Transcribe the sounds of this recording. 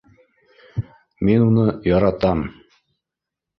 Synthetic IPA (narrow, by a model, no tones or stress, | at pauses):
minunɤjɑɾɑt̪ɑm